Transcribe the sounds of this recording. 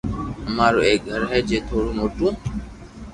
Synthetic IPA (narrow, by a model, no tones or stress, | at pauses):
ɦəmaːɾoːeːk̚ɡʱəɾɦɛːd͡ʒeːt̪ʰoːɽoːmoːʈũː